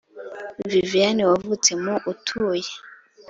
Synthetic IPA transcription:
vivijaniwavut͡semuʔutʰuje

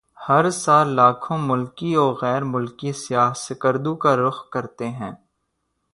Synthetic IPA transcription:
hɐɾsaːlːaːkʰõmʊlkiɔːɾɣɛːɾmʊlkisɪjaːɦsɪkəɾd̪ũkaɾʊxkɐɾt̪eɦɛ̃ː

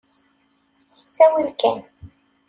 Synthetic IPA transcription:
θə̥t͡sːæwəlkæ̰n

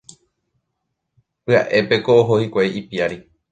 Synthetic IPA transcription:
pɨa̰ʔe̞pe̞koːɦohikʷeʔipiaɾi

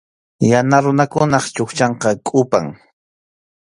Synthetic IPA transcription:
janaɾʊnakʊnɑχt͡ʃʊxt͡ʃɑɴqɑkʼʊpa̰ŋ

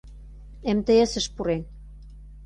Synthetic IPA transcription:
emt̪ə̆jə̆sə̆ʃpuɾen

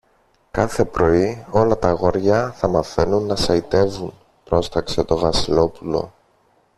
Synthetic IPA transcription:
kɐθe̞pɾo̞io̞lɐt̪ɐɣo̞ɾʝɐθɐmɐθe̞nunːɐsɐit̪e̞vun | pɾo̞st̪ɐkse̞t̪o̞vɐsilo̞pulo̞̰

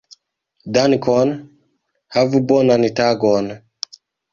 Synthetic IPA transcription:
danikʰɔn | havubɔnanitaɡɔna

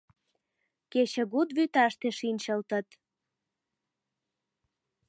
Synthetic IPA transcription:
ket͡ɕə̆ɣud̪βyt̪ɑʃt̪eʃinʲt͡ɕəlt̪ət̪

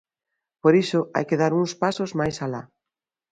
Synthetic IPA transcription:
poɾiʃoʔa̰jkeðaɾuŋspasozmajsala̰

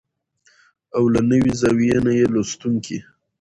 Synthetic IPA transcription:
awlanəwizawijenajelost̪uŋkʰi

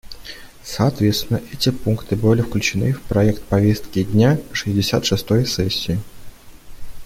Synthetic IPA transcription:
sɐɐt̪vʲe̞t̪st̪ʲɪnːəʔɛtʲɪpunkt̪ɨbɨlʲɪfklʲʉt͡ɕɪnɨfpɾɐɛkt̪̚pɐvʲest̪kʲɪdʲnʲaʂɨzʲdʲɪsʲat̪ʂɨst̪ojsɛsʲːɪɪ

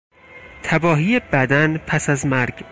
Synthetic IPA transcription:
t̪ʰæbɒːhiːjebæd̪ænpʰæsæzmæɾɡ

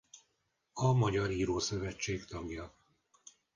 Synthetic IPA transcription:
ɒmɒɟɒɾiːɾoːsøvɛt͡ʃːeːkt̪ɒɡjɒ

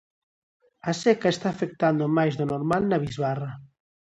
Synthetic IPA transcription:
asɛkaest̪aːfek̚t̪and̪omajzðonoɾmalnaβizβara

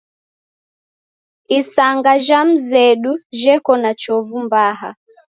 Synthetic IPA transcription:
isaŋɡaʒam̩zɛɗuʒɛkɔnat͡ʃɔvumbaɦa

